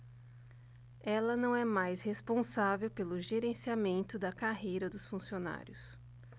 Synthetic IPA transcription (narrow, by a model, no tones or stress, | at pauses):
ɛlɐnɐ̃w̃ɛmajshespõsavewpelʊʒeɾẽsiamẽnt̪ʊd̪ɐkaɦejɾɐd̪ʊsfũsiona̰ɾʲjʊs